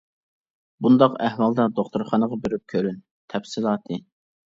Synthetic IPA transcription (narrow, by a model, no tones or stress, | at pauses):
bund̪ɑqæhwɑlˠd̪ɑd̪oχt̪uɾχɑnəʁɑbeɾyp̚kʲʰøɾyn | t̪ʰɛfsɪlˠɑːt̪ʰɨ